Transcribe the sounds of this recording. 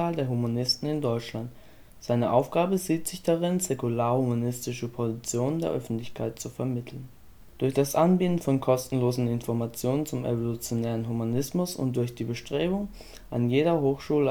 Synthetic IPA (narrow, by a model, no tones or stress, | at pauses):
aːldeːɐɦumanɪstn̩ɪndɔʏt͡ʃlant | z̥aɪnəʔaʊfɡ̥aːbəziːtz̥ɪçd̥aʁɪnzɛkulaːɐhumanɪstɪʃəpʰozit͡sjoːnəndeːɐʔœfn̩tlɪçkʰaɪt̚t͡sufɛɐmɪtʰl̩n | d̥ʊɐçd̥asʔanbiːtn̩fɔnkʰɔstn̩loːzn̩ɪnfɔɐmat͡sjoːnənt͡sʊmḛvolut͡sjonɛːʁ̞ənɦumanɪsmʊsʊ̰nt̚d̥ʊɐçd̥iːbəʃtʁ̥eːbʊŋ | ʔa̰njeːɾɐɦoːxʃuːlə